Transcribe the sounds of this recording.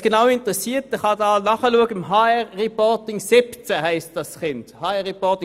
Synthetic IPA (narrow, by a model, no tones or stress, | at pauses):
ɡ̥enaʊɪntʁɛsiːtt̚d̥ɛχɑdɑːlnɑχəluəɡəɦaːɛʁʁɛpɔʁtɪŋsɪpt͡sɛhɛɪstd̥ɑsχɪnthɑːɛʁɛpɔtɪŋ